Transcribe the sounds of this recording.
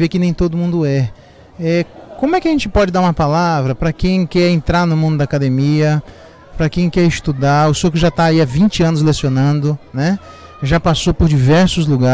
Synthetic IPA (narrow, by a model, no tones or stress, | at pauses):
vekɪnẽj̃t̪od̪ʊmũnd̪ʊɛ | ɛkõmʊɛkɪɐʒẽnt͡ʃɪpɔd͡ʒɪd̪aɾũmɐpalavɾɐpɾɐkẽj̃kɛɾẽnt̪ɾaɾnʊmũnd̪ʊd̪akad̪emiɐ | pɾɐkẽj̃kɛɾɪst̪ud̪aʊsowkɪʒat̪aːiavĩt͡ʃɪɐ̃nʊz̬lesionɐ̃nd̪ʊnɛ | ʒapasopoɾd͡ʒivɛɾsʊzluɡa